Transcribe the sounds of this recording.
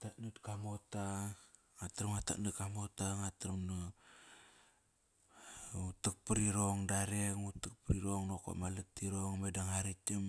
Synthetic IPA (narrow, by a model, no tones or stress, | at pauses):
atatnutkamota | ŋatɾmŋata̰nut̚kamotaŋatɾumno | utək̚pəɾiɾoŋdaɾeŋutuk̚pɾiɾoŋnoko̰malətːiɾoŋmedaŋaɾitim